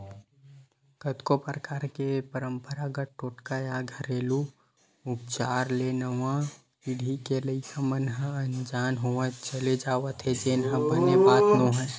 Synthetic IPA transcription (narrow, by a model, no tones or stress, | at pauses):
kət̪kopɾəkaːɾkepəɾəmpəɾaɡəʈoːʈkajaɡʱəɾeːlu | up̚t͡ʃaɾlenəwã | iɽʱikeləikəmənɦə̃ənd͡ʒanɦoʋə̃t͡ʃəled͡ʒaʋət̪ʰɦed͡ʒenɦə̃bənebaːt̪noɦɛ̃